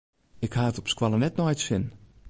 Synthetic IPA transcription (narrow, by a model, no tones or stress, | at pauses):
ɪkhaːətɔpskwalənɛtnɔjtsɪn